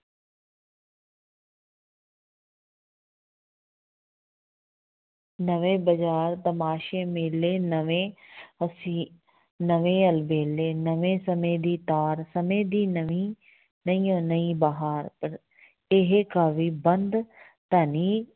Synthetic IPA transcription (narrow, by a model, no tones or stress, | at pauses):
nəʋẽːbəd͡ʒaːɾt̪ɐmaːʃemeleːnəʋẽɐsi | nəʋẽɐlbeːleːnəʋẽsɐmeːd̪iːt̪aːɾsɐmeːd̪iːnəʋi | nɐiːõːnɐĩbaɦaːɾpɐɾ | ɪɦekaːʋiːbə̃nd̪ | t̪aːniː